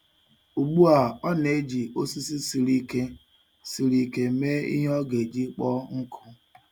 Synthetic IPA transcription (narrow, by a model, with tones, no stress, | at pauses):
u˨ɡ͡bu˦a˨ɔ˦ne˨˦d͡ʒi˨o˦si˦si˦si˨ɾi˦ke˦ | si˨ɾi˦ke˦me˦ḭ˦ɦɔ˦ɡe˨d͡ʒi˦k͡pɔ˦ŋ̩˦kʰʊ˦